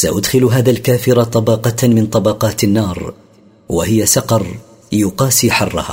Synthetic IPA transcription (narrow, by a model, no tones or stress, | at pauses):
saʔʊd̪xɪlɦaːðaːlkaːfɪɾat̪ˤɑbɑqɑt̪mɪnt̪ˤɑbɑqɑːt̪anːɑːɾˤ | wa̰hɪjasɑqɑɾˤ | jʊqɑːsiːħɑ̰rˤːɑ̰ha̰ː